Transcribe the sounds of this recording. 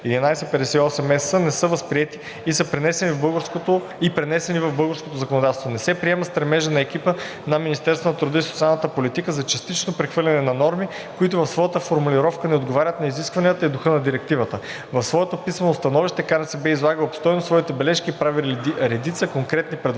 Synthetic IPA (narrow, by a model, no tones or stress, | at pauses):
ɛd̪inajsɛpɛd̪ɛsɛiɔsɛmɛsənɛsɤvɐspɾiɛt̪iː | sɤpɾɛnɛsɛnivbɤlˠɡəɾskot̪o | ipɾɛnɛsɛnivɐvbɤlˠɡəɾskot̪ozɐkonod̪at̪ɛst̪vonɛsɛpɾiɛmɐst̪ɾɛmɛʒɛnɐɛk̟ipə | nɐminist̪ɛɾst̪vənɐt̪ɾud̪ɤisot̪sialˠnət̪əpolit̪ikəzɐt͡ʃɐst̪it͡ʃnopɾɛxvɤɾlʲɐnɛnɐnɔɾmi | koit̪ʊvɐfsvɔjət̪əfoɾmuliɾɔfkənɛod̪ɡovaɾʲət̪nɐiziskvɐnijət̪əid̪ʊxɤnɐd̪iɾɛk̚t̪ivət̪ə | vɐfsvɔɛt̪opismɐnost̪ɐnɔviʃt̪ɛkanɛsɛbɛizlˠaɡəlˠopst̪ɔjnosvɔit̪ɛbɛlɛʃkiːpɾaviɾɛd̪it̪səkoŋkɾɛt̪nipɾɛd̪